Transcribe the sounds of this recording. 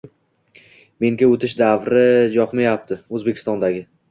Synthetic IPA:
me̞ŋɡʲaot̪ʰɪʃd̪avɾɪd͡ʒɒqmajap̚t̪ʰɪɵzbekʲɪ̥st̪ɒnd̪aɡʲɪ

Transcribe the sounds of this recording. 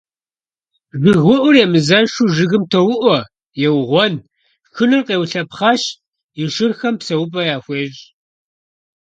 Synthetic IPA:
zʷɪɣʷʊʔʷʊrjɛmɨzɐʂuʒɨɣɨmtʰɐwʊʔʷɔ | jɛwʁʷɔn | xɨnɨrqeːwɬɐpχɑɕ | iʃɨrxɐmpsɐwʊpʼɐjaːxʷeːʒ

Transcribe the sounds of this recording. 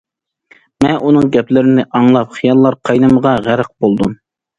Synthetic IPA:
mɛnʔunɨŋɡʲɛplɪɾɪnɪʔɑŋlˠɑp̚χijɑlˠːɑɾqʰɑjnɨməʁɑʁæɾəq̚bolˠd̪um

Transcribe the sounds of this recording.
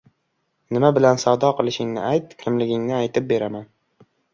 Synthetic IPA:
nɪmabɪlansawd̪ɒqʰɨlˠɪʃɪŋnɪ̰ʔajt̪̚kʲʰɪmlɪɡʲɪŋnɪajt̪ʰɪp̚be̞ɾaman

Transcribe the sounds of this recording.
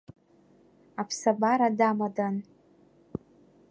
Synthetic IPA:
apʰsabaɾadamadan

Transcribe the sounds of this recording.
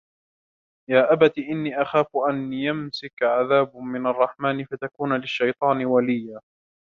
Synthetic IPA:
jaːʔabat̪iːʔɪnːiːʔaxaːfʔanjamsɪkʕaðaːbmɪnɑrˤːɑħmaːnɪfat̪akuːnlɪʃːɑjt̪ˤɑːnɪwalɪjːa

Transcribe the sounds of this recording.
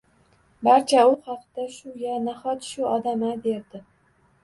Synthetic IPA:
baɾt͡ʃʰaʊχɑqd̪aʃʊjanaχɒt̪ʃʊɒd̪amabeɾd̪ɪ

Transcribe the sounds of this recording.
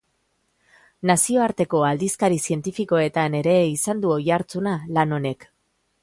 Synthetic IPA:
nasio̞aɾt̪e̞ko̞ald̪iskaɾisie̞nt̪ifiko̞e̞t̪ane̞ɾe̞isand̪uo̞jaɾt͡sunalano̞ne̞k

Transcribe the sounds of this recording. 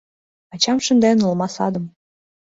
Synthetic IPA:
ɑt͡ɕɑmʃə̆nd̪enulmɑsɑd̪ə̆m

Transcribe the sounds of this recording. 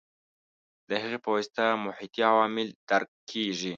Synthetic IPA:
d̪əɦəɣepowst̪amʊħit̪iawɑːmɪld̪̥aɾkʰː | eʒi

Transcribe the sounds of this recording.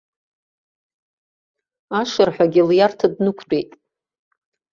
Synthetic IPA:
aʂɨrħʷᶣaɡʲiljartʰadnɨkʷʰt͡pʷʼejtʼ

